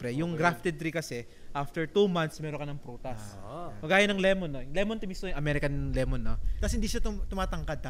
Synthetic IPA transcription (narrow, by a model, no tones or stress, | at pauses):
pɾɛjʊŋɡɾaft̪ɛd̪̚ɾikɐsɛ | ʔaft̪ɛɹt̪umant̪smɛːɾoŋkɐnɐŋpɾuːt̪ɐspɐɡaːjɐnɐŋlɛmonːojlɛmont̪ɪmisojʊŋʔɐmɛɾɪkɐnlɛmonːok̪ɐshɪnd̪iːʃat̪t̪ʊmaːt̪ɐŋkɐd̪̚ɐ